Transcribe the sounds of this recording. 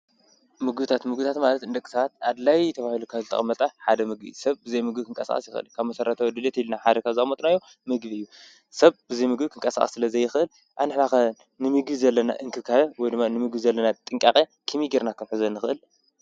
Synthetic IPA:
mɨɡbɨt̪ʰat̪mɨɡbɨt̪ʰat̪malɐt̪ɨnd̪ɐkʼi̥sɐβat̪̚ad̪lajt̪ʰɐβahilukʰaβzɨt̪ʰɐ̰ɐmːɐt̪ʼaħad̪ɐmɨɡ̚bḭsɐβbɨzɐjmɨɡbikʰɨŋkʼɐsa̰χʼɐsjɪxʔɨ̰lkʰaβmɐsɐɾɐt̪ʰɐwɔd̪ɨlet̪ilnaħad̪ɐkʰaβzɨɐmot̪ʼnajːo̞ | mɨɡbiɨjːu | sɐβbɨzɐjmɨɡbikʰɨŋkʼɐsa̰χʼɐ̥̰sɨlɐzɐjɪxɨʔɨl | ʔaβnɨħnakɐn | nɨmɨɡbizɐlːɐna̰ʔɨŋkʰɨβkʰaβɐwɔjd̪ɨmːanɨmɨɡbizɐlːɐnat̪ʼɨŋkʼaχʼekʰɨmiɡiɾnakʰɐmħɨzɐnːɨxɨʔɨl

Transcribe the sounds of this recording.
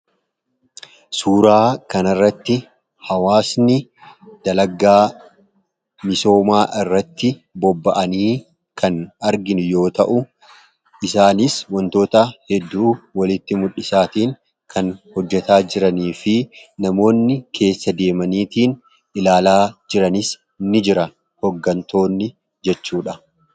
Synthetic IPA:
suːɾaːkɐnɐrːɐt̪ːɪ | hɐwaːsnɪd̪̥ɐlɐɡaː | mɪso̞ːmaːʔɪrːɐt̪ːɪbɔbːɐʔɐniː | kɐnɐɾɡɪnjo̞ːt̪ɐʔʊ | ʔɪsaːnɪswɔnt̪o̞ːt̪ɐhɛd̪ːuːwɐlɪt̪ːɪmʊᶑːɪsaːt̪iːŋ | kʰɐnhɔd͡ʒːɛt̪aːd͡ʒɪɾɐniːfɪnɐmo̞ːnːɪkʰe̞ːsːɐd̪e̞ːmɐniːt̪iːn | ɪlaːlaːd͡ʒɪɾɐnɪs | nɪd͡ʒɪɾɐ | hɔɡːɐnt̪o̞ːnːɪ | d͡ʒɛt͡ʃːuːᶑɐ

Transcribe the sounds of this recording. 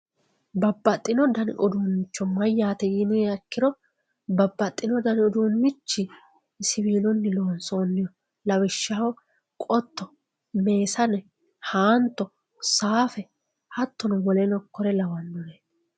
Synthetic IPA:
bɐbːɐt̪ʼːɪnɔd̪ɐnɪʔɔd̪uːnːɪt͡ʃːɔmɐjːaːt̪ɛjɪnɛɐkːɪɾɔ | bɐbːɐt̪ʼːɪnɔd̪ɐnɪɔd̪uːnmɪt͡ʃːɪ | sɪwiːnɔnːɪlo̞ːnsoːnːɪjɔ | lɐwɪʃːawɔ | kʼɔt̪ːɔ | me̞ːsɐnɛ | haːnt̪ːɔ | saːfɛ | hɐt̪ːɔnɔwɔlɛnɔkːɔɾɛlɐwɐnːɔnɛ

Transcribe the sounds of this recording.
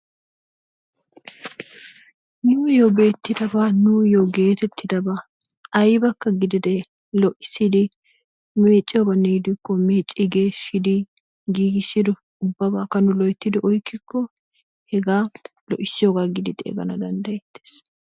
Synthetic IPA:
nʊmjobe̞ːt̪ːɪd̪ɐbaːnʊjoɡe̞ːt̪ɛt̪ːɪd̪ɐbaː | ɐjbɐkːɐɡɪd̪ɪd̪ɛ | lɔʔɪsːɪd̪ɪ | meːt͡ʃʼːɪjoɡanɛjɪd̪ɪkːɔmeːt͡ʃʼːɪɡe̞ːʃːɪd̪ɪ | ɡiːɡɪsːɪd̪ɔ | ʊbːɐbaːkɐnʊlɔjt̪ːɪd̪ɪʔɔjkːɪkːɔ | hɛɡaː | lɔʔɪsːɪjoːɡaɡɪd̪ɪd̪̰ɡɐ̰nɐd̪ɐnd̪ɐjɛt̪ːe̥ːs

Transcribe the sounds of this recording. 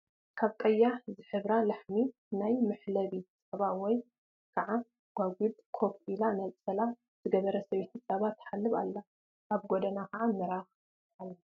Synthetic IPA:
kʰaβkʼɐjːazɨħɨβɾalaħmi | najmɨħlɐβisʼɐβawɔj | kʰɐʕa | ɡ̥ʷwaɡʷud̪kʰo̞pilanɐlʼt͡sʼɐla | z̥ɨɡɐβɐɾɐsɐβet̪ʰit͡sʼɐβat̪ːħalːɨβa̰lːa | ʔaβɡod̪ɐnakʰɐʕamɨɾax | alːɐ

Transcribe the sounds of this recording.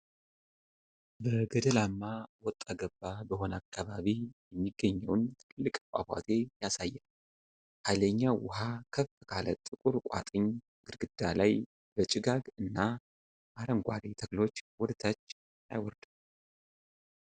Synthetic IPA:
bəɡəd̪əlamːawɔt̪ʼːaɡəbːabəɦo̞nakʰːaβaβijɛmːiɡːəɲːəwnt̪ʰɨkʰɨlːɨkʼkʷʼa̰bʷa̰t̪ʰe̞jasajːɛn | hajləɲːawʊ̰ɦakʰəffɨkʰalə̰t̪ʼːɨkʼuɾkʷʼa̰t̪ʼɨɲ | ɡ̥ɨɾɡɨd̪̥alaj | b̥ət͡ʃʼɪɡaɡɨnːa | ʔaɾəŋɡʷa̰d̪et̪ʰəɡlo̞t͡ʃːwɔd̪t̪ʰat͡ʃː | a̰jwɔɾd̪ɨm

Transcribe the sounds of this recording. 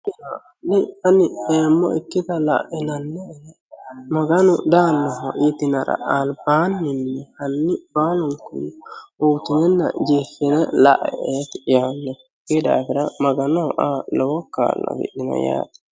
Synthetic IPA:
ɪna | nɪɐnɪeːmːɔ̰ɪkːɪt̪ɐla̰ʔɛnɐnːɛhɛ | mɐɡɐnʊd̪aːnːɔɦɔʔɪt̪ɪnɐɾɐ̰ʔalbaːnːɪnːɛhɐnːɪbaːlʊŋkʊnuːt̪ɪnɛnːɐ̰d͡ʒifːɪnɛlaʔɛ̰ʔeːt̪janːɛ | ɡid̪a̰ːfɪɾɐmɐɡɐnɔʔalɔwɔkːa̰ːlːɐ̰bɪ̰ʔɪnɐ̰ja̰ːt̪ɛ̥

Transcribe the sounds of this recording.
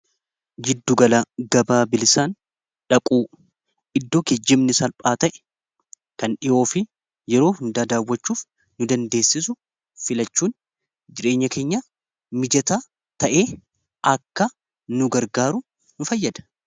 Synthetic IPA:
d͡ʒɪd̪ːʊɡɐlaːɡɐbaːbɪlɪsaːn | ᶑɐkʼuː | ʔɪd̪ːo̞ːked͡ʒːɪmnɪsɐlpʼaːt̪ɐʔɛ̥ | kɐnɗɪʔo̞ːfɪ | jɛɾo̞ːhʊnd̪aːd̪aːwːɐt͡ʃːuːf | nʊd̪ɐnd̪e̞ːsːɪs̬ʊ | fɪlɐt͡ʃːuːn | d͡ʒɪɾe̞ːɲːɐke̞ːɲːa | mɪd͡ʒɐt̪a | t̪ɐʔeː | ʔɐkːɐ | nʊɡɐɾɡaːɾʊ | nʊfɐjːɐd̪ɐ̥

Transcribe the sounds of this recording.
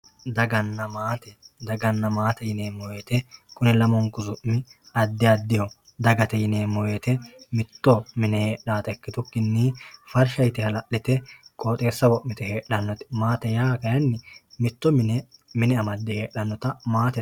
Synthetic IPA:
d̪ɐɡɐnːɐmaːt̪ɛd̪ɐɡɐnːɐmaːt̪ɛjɪneːmːɔweːt̪ɛkʊnɛlɐmɔŋkʊzʊʔmɪ | ɐd̪ːɪjɐd̪ːɪjɔ | d̪ɐɡɐt̪ɛjɪne̞ːmːɔweːt̪ɛmɪt̪ːɔmɪnɛhe̞ːɗːaːt̪ɛkːɪt̪ʊkːɪnːiːfɐɾʃɐjt̪ɪhɐlɐʔːɪt̪ɛkʼoːt̪ʼe̞ːsːɐwɔʔmɪt̪ɛhe̞ːɗːɐnːɔt̪ɪ̥maːt̪ɛjaːkɐjɐnːɪmɪt̪ːɔmɪnɛmɪnɛɐmɐd̪ːɛhe̞ːɗːɐnːɔt̪ɐmaːt̪ɛ

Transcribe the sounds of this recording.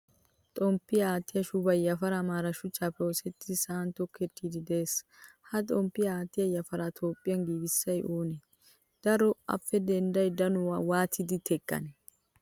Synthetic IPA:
t̪ʼɔmpːɪjɐaːt̪ːɪjɐʃʊbɐjɐfɐɾamaːɾɐʃʊt͡ʃːaːfɛosɛt̪ːɪsaːnt̪ɔkʰːɛt̪ːiːd̪ɪd̪eːs | hɐt̪ʼɔmpːɪjɐaːt̪ːɪjɐjɐfɐɾat̪ʰo̞ːpʼːɪjɐnɡiːbɪsːɐjʔuːnɛ | d̪̥ɐɾɔɐ̰fːɛd̪ɛnd̪ɐjd̪ɐnʊwaːt̪ʰɪd̪ɪt̪ʰɛkʼːɐ̰nɛ

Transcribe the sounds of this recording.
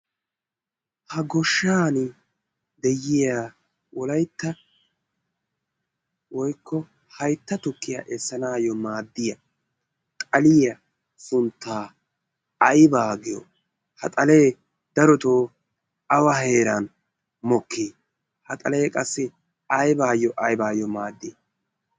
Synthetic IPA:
hɐɡɔʃːaːn | d̪ɛjːɪjaː | wɔlɐjt̪ːɐ | wɔjkːɔ | hɐjt̪ːɐt̪ʊkːɪjɐʔɛsːɐnaːjɔmaːd̪ːɪjɐ | t̪ʼɐlɪjɐ | sʊnt̪ːaː | ɐjbaːɡɪjɔ̰ | hɐt̪ʼɐle̞ː | d̪ɐɾɔt̪oː | ɐwɐɦe̞ːɾɐn | mɔkːiː | hɐt̪ʼɐle̞ːkʼɐsːɪ | ɐjbaːjːɔʔɐjbaːjɔmaːd̪ːɪ

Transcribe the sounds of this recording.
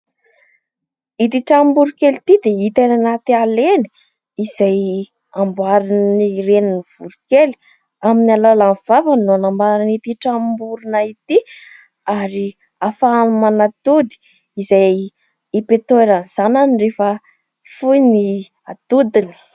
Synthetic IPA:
it̪iʈ͡ʂambuɾukelit̪id̪eit̪enanat̪ialeni̥ | izaj | ambwaɾinniɾeniniv̥uɾukeli̥ | aminalalanv̥avanoanambaɾanit̪iʈ͡ʂambuɾunait̪i | aɾi | afaanumanat̪ud̪i̥ | izaj | ipet̪oeɾaz̥ananirefə | fujni | at̪ud̪ini̥

